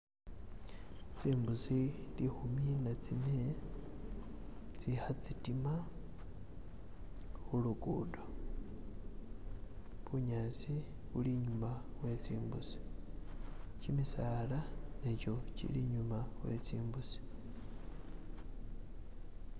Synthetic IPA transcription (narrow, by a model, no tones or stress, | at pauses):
t͡siːmbusilixuminat͡sine | t͡sixat͡sitima | xulukudo | βuɲasi | βuliɲumawe̞t͡siːmbṵsi̥ | cimisalaneco̞cḭliɲumawe̞̰t͡siːmbusi̥